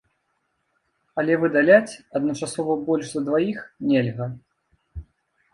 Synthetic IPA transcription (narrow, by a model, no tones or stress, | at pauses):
ɐlʲɛvɨd̪alʲat͡sʲɐd̪̚nɐt͡ʂasɔvɐbɔlʲʐzɐd̪vajixnʲɛlʲɣɐ